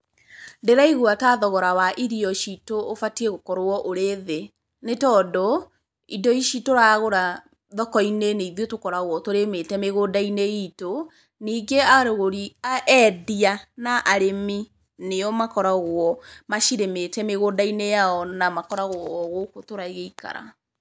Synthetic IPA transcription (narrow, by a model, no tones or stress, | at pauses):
ndeɾaiɣuataðɔɣɔɾawaʔiɾiɔʃitoːfatieɣokɔɾoɔʔoɾeðe | netɔdɔ | idɔiʃitoɾaɣoɾa | ðɔkɔineneiðotokɔɾaɣwɔtoɾemetɛmeɣoːdaineito | niːɡeaɾoɣoɾiaʔɛðianaʔaɾemi | neɔmakɔɾaɣwɔmaʃiɾemetɛmeɣoːdainejaɔnamakɔɾaɣwɔːɣokotoɾaiɣeika̰ɾa̰